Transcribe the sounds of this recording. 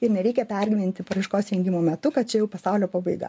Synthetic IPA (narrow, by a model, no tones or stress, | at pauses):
ɪrnʲɛɾʲɛɪkʲɛpʲɛrʲɡʲɪmʲɪnʲt̪ʲɪpɐɾɐɪʃkoːsɾʲɛŋʲɡʲɪmoːmʲɛt̪ʊkɐt̪t͡ʃʲɛjɛʊpɐsɑʊlʲoːpɑːbɐɪɡɐ̰